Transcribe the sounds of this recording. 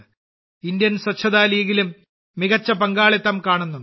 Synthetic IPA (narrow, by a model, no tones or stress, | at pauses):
ind̪jɐnswɐt͡ɕʰːɐðaːlijɐɣilumː | iɣɐt͡ɕːɐpɐŋɡaːɭit̪ːɐmkaːɳunːu